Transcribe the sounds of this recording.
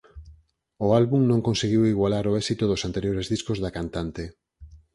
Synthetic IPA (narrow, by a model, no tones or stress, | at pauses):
oalβuŋnõŋkõnseɣiwiɣwalaɾoɛsit̪oðosant̪eɾjoɾezðiskozðakant̪ant̪e